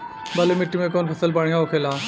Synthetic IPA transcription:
bɐlemɪʈːimẽk̬ɔnpʰɐsəlpaɽĩŋɡaokʰelaː

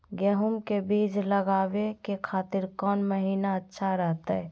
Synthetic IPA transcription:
ɡeɦumkebiːd͡ʒləɡaːʋekekʰaːt̪ɪɾkɔːnməɦiːnaətːʃʰaɾɛɦt̪aɛ

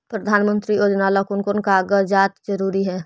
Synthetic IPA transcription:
pɾɐd̪ʱaːnmə̃nt̪ɾijoːd͡ʒnalakʊnkʊnkaɡəd͡ʒaːt̪d͡ʒəɾuːɾiɦɛː

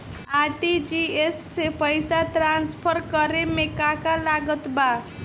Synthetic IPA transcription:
aʈid͡ʒiesːepəjsaʈɾanspʰəɾkəɾemekakalaɡət̪ba

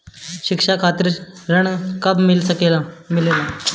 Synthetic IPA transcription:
ɕikʂakʰat̪ɾɾəɳkəbmilsəkelamilela

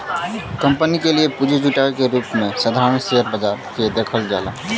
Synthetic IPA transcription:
kə̃mpənikeliepud͡ʒʱed͡ʒuʈaekeɾuːpmẽsəd̪ʱaɾənseɦəɾbəd͡ʒaːɾked̪eːkʰəld͡ʒa̰ːla̰

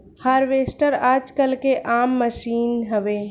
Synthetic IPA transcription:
haːɾʋeːsʈəɾaːd͡ʒkəlkeʔaːmːəʃiːnɦəʋe

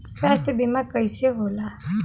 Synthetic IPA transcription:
sʋast̪ʰjəbimakəjseɦola

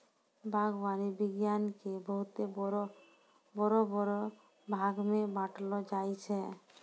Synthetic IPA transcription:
bʱaɡbanibiɡjankeboɦut̪eɾo | bɔɾobɔɾo | bʱaɡmebaʈlod͡ʑajt͡ɕʰe

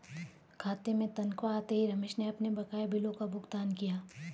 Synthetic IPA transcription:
kʰaːt̪emẽt̪ɐnkʋaːt̪eɦiɾɐmeːʃneɐpnebɐkaːebʱɪlõkabʱʊɡt̪aːnkijaː

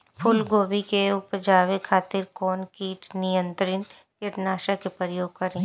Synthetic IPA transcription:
pʰʊlɡoːbikeʊpd͡ʒaːʋekʰaːt̪ɪɾkɔːnkiːʈnɪjə̃nt̪ɾɪn | kɪʈnaːʃakepɾɾəjoːɡ̚kɐɾẽ

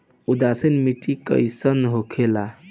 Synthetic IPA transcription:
ud̪asənmiʈikə̰jsənɦokʰela

